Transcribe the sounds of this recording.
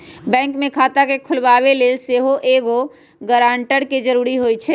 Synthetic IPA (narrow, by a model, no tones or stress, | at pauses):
bɛ̃ːŋkmẽkʰaːt̪akekʰʊlʋaːʋeleːlseɦoʔeːɡo | ɡəɾaːɳʈəɽked͡ʒəɾuɾiɦojt͡ʃʰɛ